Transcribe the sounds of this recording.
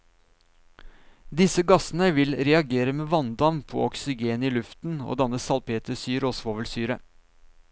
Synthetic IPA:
d̪ɪsəɡɑsn̩əʋɪlɾɛɑɡeːɾəmeːʋɑnd̪ɑmpʰɔ̰ɔksɪɡeːniːlʉft̪n̩o̰ːd̪ɑnəsɑlpʰeːt̪əsyːɾoːsʋoːʋəlsyːɾə

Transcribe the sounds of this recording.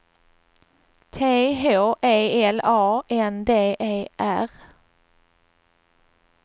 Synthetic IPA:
t̪ʰeːɦoːʔeɪɛlɑːʔɛnd̪eːʔeːʔæ̰ʁ

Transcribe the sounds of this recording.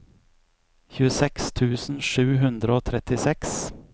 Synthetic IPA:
çʉːəsɛkst̪ʰʉːsn̩ʃʉːɦʉnd̪ɾəoːt̪ʰɾɛt̪ɪsɛks

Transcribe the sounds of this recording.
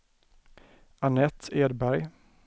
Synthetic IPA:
anɛt̪ʰːeːd̪bæɾj

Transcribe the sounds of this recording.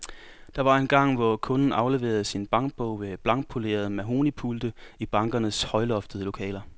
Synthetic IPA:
d̥ɑ̈ʋɑ̈e̝nɡ̥ɑ̈ŋ̰ʋɒkʰɔ̽nn̩ɑ̈ʊle̝ʋe̝̰ːɐð̞ˠsinb̥ɑ̈ŋɡ̥̚b̥ɔʊ̰ʋe̝b̥lɑ̈ŋɡ̥̚pʰole̝̰ːɐð̞̩ˠmæɦo̝nipʰuld̥əib̥ɑ̈ŋɡ̥ɐnəshɒ̽ɪlɒ̽fd̥əðˠlo̝kʰɛ̰ːlɐ

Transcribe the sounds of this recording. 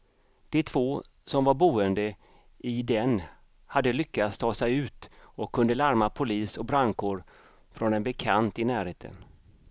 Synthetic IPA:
d̪̥ɛt̪ʰv̥oː | sɔmvaɾbuːənd̪ə | ɪd̪ɛn | had̪ːəlʏkːat̪st̪ʰɑːsɛjʉ̟ːt̪ɔkʰːɵnd̪əlaɾmapʰʊliːsɔk̚bɾaŋkʊɾ | fɾɔnɛnbɛkʰant̪ɪnæːɾheːt̪ʰə̰n

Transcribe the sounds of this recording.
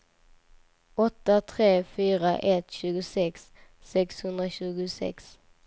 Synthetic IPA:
ɔt̪ət̪ʰʁeːfyːʁəʔɛt̪ɕʉːɡəsɛksː | ɛkshʉnd̪ʁəçʉːɡʉsɛ̰ks

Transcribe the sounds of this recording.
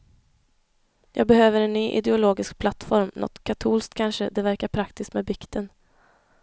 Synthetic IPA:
jʔɑːɡ̚bɛhøːvəɾɛnːyːʔɪ̰d̪ɛʊloːɡɪsk̚pʰlat̪ːfɔɾmnʔɔ̰t̪kʰat̪ʰuːlskt̪kʰːanʂəd̪ɛvæɾkaɾpʰɾakt̪ɪst̪mɛbɪkt̪ʰən

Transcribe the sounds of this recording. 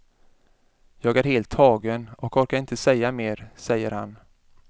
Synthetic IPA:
jɑːɡæɾheːlt̪ʰːɑːɡənɔkɔɾkaɾɪnt̪əsɛjːameːɾsɛjːəɾhan

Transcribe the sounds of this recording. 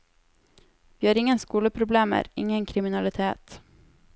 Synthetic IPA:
vɪːhaɾɪŋːənskuːləpʰɾʊbleːmə̰ɾɪ̰ŋːənkʰɾɪmɪnalɪt̪ʰeːt̪

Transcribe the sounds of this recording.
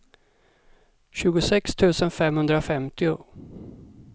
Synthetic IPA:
ɕʉ̟ːɡʊsɛkst̪ʰʉ̟ːsənfɛmhɵnd̪ɾafɛmt̪ɪʊ

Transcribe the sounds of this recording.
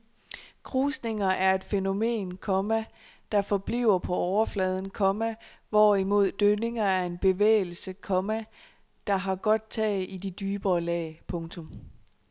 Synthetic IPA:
kʰʁuːsne̝ŋɐʔæɐe̝d̥feno̝me̝̰ːnkʰɒ̽mæ | d̥ɑ̈fɒ̽b̥liʊ̰ɐpʰɒ̽ɒʊɐflɛːð̞ˠən̩kʰɒ̽mæʋɒimo̝ð̞̰ˠd̥øne̝ŋɐæɐe̝nb̥e̝ʋḛːl̩səkʰɒ̽mæ | d̥ɑ̈ɦɑ̈ɡ̥ɒ̽d̥̚t͡sʰɛ̰id̥id̥yːb̥ɐːlɛ̰ːpʰɔ̽ŋt͡sʰɔ̽m

